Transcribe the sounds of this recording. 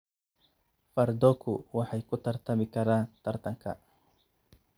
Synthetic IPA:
faɾd̪okuwaħajkut̪aɾt̪amikaɾat̪aɾt̪aŋka̰ʔ

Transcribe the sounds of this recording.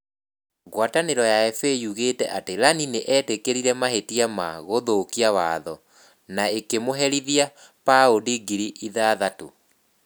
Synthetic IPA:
ɣwataneɾɔjaɛfejuɣetɛ̰ʔateɾanineʔɛtekeɾiɾɛmaɦetiama̰ɣoðokiawaðɔ | naekemoɦɛɾiðia | paodiɡiɾiʔiðaːðato

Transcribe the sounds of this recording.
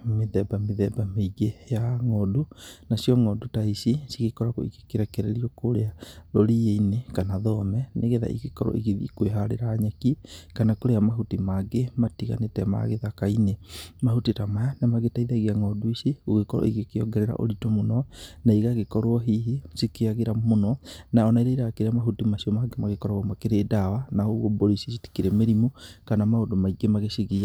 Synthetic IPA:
meðɛbameðɛbameiɣejaŋɔdunasiɔŋɔdotaisisiɣekɔɾakoḭɣekeɾɛkɛɾeɾiɔkoɾeaðoɾieinekanaðɔmɛneɣeða̰ʔḭɣekɔɾɔ̰ʔiɣiðḭkweɦaɾeɾaːɲakikanakoɾeamaɦutimaɡematiɣa̰netɛma̰ɣeðakainemahutitamajanamaɡetaiðaɣeaŋɔdwiʃeoɣekɔɾɔ̰eɣekeɔ̰ɡɛɾɛɾa̰ʔo̰ɾitomonɔnaiɣaɣekɔɾwɔɦiɦesikeaɣeɾamonɔnaɔnaiɾeiɾakeɾeamaɦutimaʃiɔmaɡemaɣekɔɾɔɔmakeɾedawanaoɣoboɾisisiti̥keɾemeɾimokanamaondomaiɡemaɣeʃiɣia

